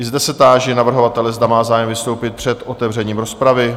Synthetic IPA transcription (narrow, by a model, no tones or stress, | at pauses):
ɪzd̪ɛsɛt̪aːʒɛnavr̩ɦo̞vat̪ɛlɛzd̪amaːzaːjɛmvɪst̪o̞wpɪt̪̚pr̝̥ɛt̪ʔo̞t̪ɛvr̝ɛɲiːmɾo̞spɾavɪ